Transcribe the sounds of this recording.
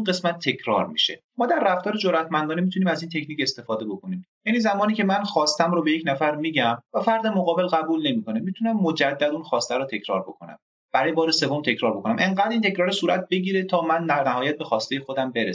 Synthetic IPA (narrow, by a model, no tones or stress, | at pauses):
unɢe̞smæt̪ʰːe̞cʰɾɒ̰ːɾmḭʃḛ | mɒːd̪æɾːæft̪ɒːɾed͡ʒoɾæt̪mænd̪ɒːnemit̪ʰuniːmæzint̪ʰe̞cʰniːcest̪e̞fɒːd̪ebo̞kʰo̞niːmjænizæmɒːniːcʰe̞mænxɒːst̪æmɾobejecʰnæfæɾmiːɟæmvæfæɾd̪e̞moɣɒːbe̞lɣæbuːlne̞miːko̞nemit̪ʰunæmːod͡ʒæd̪ːæd̪unxɒːst̪æɾɔːt̪ʰe̞cʰɾɒ̰ːɾbo̞kʰonæ̰m | b̥æɾɒːjebɒːɾese̞vo̞mt̪ʰecɾɒːɾbo̞kʰo̞næmʔeŋɢæːd̪iːnt̪ʰe̞cɾɒːɾisuːɾæ̰t̪̚ʰbe̞ɟiːɾe̞t̪ʰɒːmænːænæɦɒːjæt̪̚be̞xɒːst̪ejexod̪æmbe̞ɾe